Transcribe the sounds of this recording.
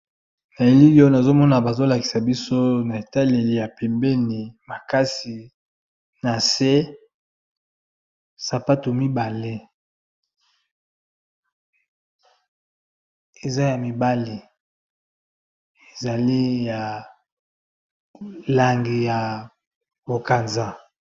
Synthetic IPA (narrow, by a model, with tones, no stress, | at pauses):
na˨e˨li˦li˦o˦na˨zo˦mɔ˦na˨ba˨zo˦la˨ki̥˨sa˨bi˦so˦na˨e˨ta˦le˨li˨ja˨pɛ˨mbɛ˦ni˨ma˨ka˦si˨ | na˨se˦ | sa˨pa˦to˨mi˦ba˨le˦ | e˨za˦ja˨mi˨ba˦li˨ | e˨za˨li˦ja˨ | la˨ŋɡi˨ja˨ | bo˨ka˨nza˨